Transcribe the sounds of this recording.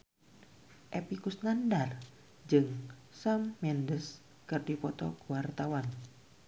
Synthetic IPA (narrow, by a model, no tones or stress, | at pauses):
ʔepikusnandar | d͡ʒɨŋ | samːɛndəs | kɨrdipɔt̪ɔ̰kuwart̪awan